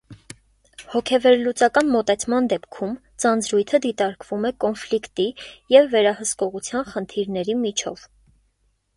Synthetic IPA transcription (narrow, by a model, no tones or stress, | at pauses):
hɔkʰɛvɛɾlut͡sɑkɑnmɔt̪ɛt͡sʰmɑnd̪ɛpkʰum | t͡sɑnd͡zɾujt̪ʰəd̪it̪ɑɾkvumɛkɔnflikt̪ijɛvːɛɾɑhəskɔʁut͡sʰjɑnχənt̪ʰiɾnɛɾimit͡ʃʰɔv̥